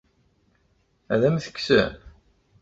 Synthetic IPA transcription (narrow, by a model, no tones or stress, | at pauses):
æðæmθə̥kːsə̰